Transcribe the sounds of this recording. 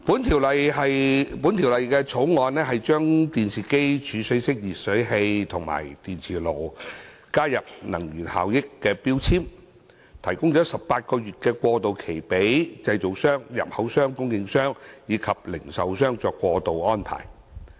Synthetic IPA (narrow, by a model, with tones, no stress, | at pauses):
pu˨˥nt̪ʰiː˨˩wlɐ˨jɦɐ˨jpu˨˥nt̪ʰi˨˩wlɐ˨jkɛː˧t͡sʰo˨˥wŋɔː˨˧nlɛː˥ɦɐ˨jt͡ʃœː˥ŋt̪iː˨nsʰiː˨˩ke˥jt͡ʃʰyː˨˧sɵ˨˥sɪ˥k̚jiː˨˩t̚sɵ˨˥ɥɦe˧jt̪ʰʊ˨˩ŋma̰ː˨˩jt̪iː˨nt͡sʰiː˨˩lo˨˩w | kaː˥jɐ˨p̚nɐ̰˨˩ŋjyː˨˩nha̰ː˨wjɪ˥kːɛː˧piː˥wt͡sʰiː˥m | t̪ʰɐ˨˩jkʊ˥ŋt͡ʃɔː˨˥sɐ˨p̚pːaː˧t̚kɔː˧ɥyː˨t̚kɛː˧kʷɔː˧t̪o˨wkʰe˨˩jpe˨˥jt͡sɐ˧jt͡so˨ksœː˥ŋjɐ̰˨p̚hɐ˨˥wsœː˥ŋkʊ˥ŋjɪ˧ŋsœː˥ŋjiː˨˧kʰɐ˨p̚lɪ˨˩ŋsɐ˨wsœː˥ŋt͡sɔː˧kːʷɔː˧t̪o˨wʔɔː˥npʰa̰ː˨˩j